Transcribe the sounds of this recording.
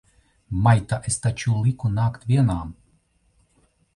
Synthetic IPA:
majt̪aʔest̪at͡ɕulˠikunaːkt̪ʋʲiɛnaːm

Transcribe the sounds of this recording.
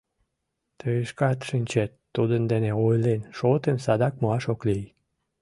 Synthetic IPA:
t̪øeʃkɑt̪ʃinʲt͡ɕet̪ːud̪ənd̪eneojlenʃot̪emsɑd̪ɑkmoɑʃoklij

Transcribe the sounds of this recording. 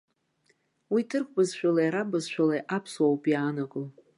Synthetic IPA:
witʰɨrkʷʰʼbɨzʃʷᶣalajaɾabɨzʃʷᶣalajʔapʰswawpʼjaːnaɡɨl

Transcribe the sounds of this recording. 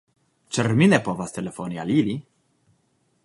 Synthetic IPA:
t͡ʃɛrminepovast̪elefonia̰lili

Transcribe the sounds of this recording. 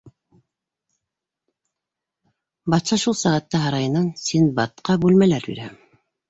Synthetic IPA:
bɑt̪sɑʃulˠsæʁæt̪ːɑɦɑɾɑjɤ̆nɑnsinbɑt̪̚qɑbʉlmælæɾbḭɾæ

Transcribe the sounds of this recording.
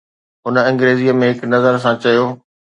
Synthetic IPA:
ɦʊnə̆ɐ̃ŋɡɾeːziːəmẽɦɪknɐzəɾs̬ãt͡ɕɐjoː

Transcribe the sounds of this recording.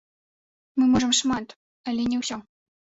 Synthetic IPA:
mɨmɔʐəmʂmat̪ | alʲɛnʲɛwsʲɔ

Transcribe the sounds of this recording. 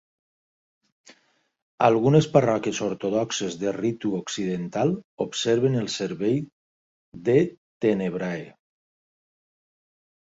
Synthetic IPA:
alˠɣunesparɔkjesoɾt̪oð̞ɔksezðerit̪uoksiðent̪alˠopseɾβenelˠseɾβej | ðet̪eneβɾae

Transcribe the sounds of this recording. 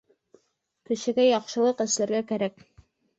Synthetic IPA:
kɘ̆ʃɘ̆ɡæjɑqʃɤ̆lˠɤqɘ̆slæɾɡækæɾæk

